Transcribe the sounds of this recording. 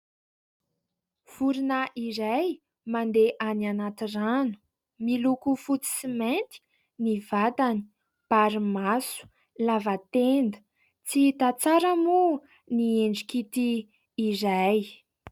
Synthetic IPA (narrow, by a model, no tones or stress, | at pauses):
v̥uɾinaʔiɾaj | mand̪eʔananat̪iranu̥ | milukufut͡si̥siment̪i̥ | nivat̪ani̥ | b̥aɾimasu̥ | lavat̪end̪ə̥ | t͡sit̪at͡saɾamu | nieɳɖ͡ʐikit̪iː | zaj